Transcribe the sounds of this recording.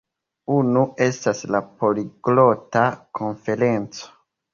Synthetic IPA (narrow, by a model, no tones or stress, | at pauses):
unue̞staslapo̞liɡlo̞takʰo̞ɱfe̞ɾe̞nt͡so̥